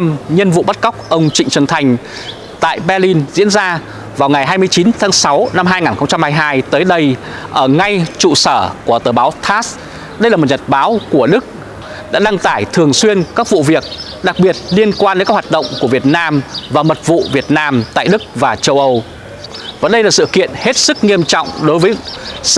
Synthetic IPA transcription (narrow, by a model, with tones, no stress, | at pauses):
mɲə˧nvṵ˧˨ɓa˦˥t̚kə˦˥k͡p̚ʔə˧wŋ͡mt͡ɕï˧˨ŋ̟t͡ɕə˨˩nt̪ʰa˨˩jŋ̟ | t̪a̰ː˧˨jɓɛ˧li˧nzḭ˧˥ənzaː˧ | vaː˨˩wŋa˨˩jɦaː˧jmɨ˧əjt͡ɕi˨˦nt̪ʰaː˨˦ŋsa˨˦wna˧mɦaː˧jŋaː˨˩nxə˧ŋ͡mt͡ɕa˧mhaː˧jɦaː˧jt̪əː˨˦jɗə˧j | ʔəː˧˩ŋa˧jt͡ɕṵ˧˨səː˧˩ku˧˩ət̪əː˨˩ɓaː˨˦wt̪ʰaː˦˥s | ɗə˧jlaː˨˩m˨˩t̚ɲə˨˩t̚ɓaː˨˦wku˧˩əɗɨ˦˥k̚ | ɗa̰ː˧˥ɗa˧ŋt̪aː˧˩jt̪ʰɨ˨˩əŋswi˧ənkaː˦˥k̚vṵ˧˨vi˨˩ək̚ | ɗa˨˩k̚ɓi˨˩ət̚li˧ənkwaː˧ne˧˦ka˦˥khwa˨˩t̚ɗə̰˧˨wŋ͡mku˧˩əvi˨˩ət̚naː˧mvaː˨˩mə˨˩t̚vṵ˧˨vi˨˩ət̚naː˧mt̪a̰ː˧˨jɗɨ˦˥k̚vaː˨˩t͡ɕə˧wʔə˧w | vaː˨˩ɗə˧jlaː˨˩sɨ̰˧˨kḭ˧˨ənhe˦˥t̚sɨ˦˥k̚ŋi˧əmt͡ɕɔ̰˧˨wŋ͡mɗo˨˦jvəː˨˦